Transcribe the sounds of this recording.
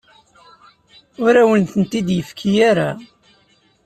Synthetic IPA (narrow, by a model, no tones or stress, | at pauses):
ʊɾæwənt̪ənt̪id̪jəfkʰijaɾa